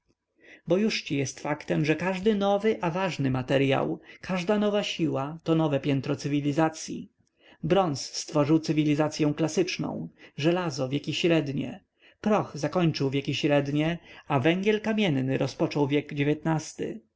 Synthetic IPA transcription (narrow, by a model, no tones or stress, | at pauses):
bɔjuʂt͡ɕijɛst̪fakt̪ɛmʐɛkaʐd̪ɘnɔvɘʔavaʐnɘmat̪ɛɾja̰wkʰaʐd̪anɔvaɕiwat̪ɔnɔvɛpʲjɛnt̪ɾɔt̪sɘvʲilʲizat̪sʲjḭ | bɾɔnsːt̪fɔʐɘwt̪sɘvʲilʲizat̪sʲjɛw̃klasɘt͡ʂnɔ̰̃w̃ʐɛlazɔvʲjekʲiɕɾɛd̪ɲɛ̰ | pɾɔxzakɔɲt͡ʂɘwvʲjekʲiɕɾɛd̪ɲɛavɛŋɡʲjɛlkamʲjɛnːɘɾɔspɔt͡ʂɔwvʲjɛɡd͡ʑevʲɛt̪nast̪ɘ̰